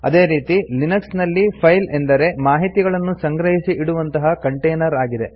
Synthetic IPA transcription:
ɐ̰d̪e̞ːɾiːt̪ilinɐksnɐlːipʰɐjlend̪ɐɾe̞maːɦit̪iɡɐɭɐnːusɐŋɡɾɐɦisiʔiɽuʋɐnt̪ɐɦɐkɐɳʈejnɐɾaːɡid̪e̞

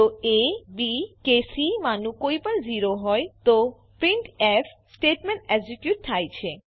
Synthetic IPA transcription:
t̪oebikesimanukojpaɾd͡ʑiɾoɦɔet̪o | pɾiɳʈefʰsʈeʈmeɳʈeɡd͡ʑikjuʈ̚t̪ʰajt͡ɕʰe

